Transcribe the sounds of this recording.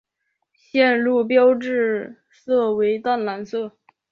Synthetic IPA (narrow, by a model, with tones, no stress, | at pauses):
ɕjɛ˥˧nlu˥˩p̬jɑ˥ʊʈ͡ʂɻ̩˥˩ | sɤ˥˩we˧˥ɪt̪a˥˩nla˧˥nsɤ˥˩